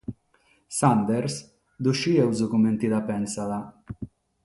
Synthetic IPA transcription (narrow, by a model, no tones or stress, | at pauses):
sand̪ɛɾs | d̪uʃiɛwzukument̪id̪apɛnsala